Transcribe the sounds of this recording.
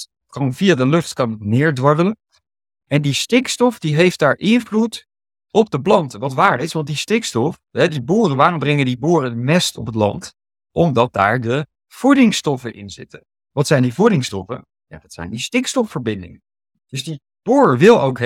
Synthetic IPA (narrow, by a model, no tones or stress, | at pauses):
komvijadəlɵχtkɑnnɪːɹdʋɑɹdələ | ɛndistɪkstɔfdiɦejft̚daːɹʔɪnvlut | ɔp̚dəblɑntəʋɑtʋaːɹdəɪsʋɑntdistɪkstɔf | ɦɛdiboːrənʋaːrɔmbrɛŋəndiboːrədəmɛstɔ̰pətlɑ̰nt | ʔɔmdɑt̚da̰ːɹdə | v̥udɪŋstɔfənʔɪ̰nzɪ̰tə | ʋɑtsɛjndivudɪŋstɔfə̰n | ja̰ːdɑtsɛ̰jndistɪkstɔfːəɹbɪndɪ̰ŋən | d̥ɵzdi | b̥oːɹəʋɪlˠowk